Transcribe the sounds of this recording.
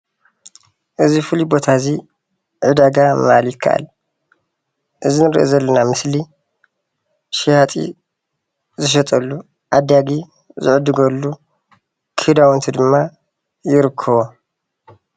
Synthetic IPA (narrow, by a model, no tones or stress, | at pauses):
ʔɨzifɨlibo̞t̪ʰazi | ʕɨd̪aɡama̰ljɪkʰːa̰ʔa̰l | ʔɨzinɨɾḭʔḛzɐlːɐnamɨsli | ʃijat̪ʼḭ | zɨʃ̬ɐt̪ʼɐlːu | ʔad̪aɡi | zɨʕɨd̪ɨɡɐlːu | kʰɨd̪awnt̪ʰid̪ɨmːa | jɪɾɨkʰːɐβo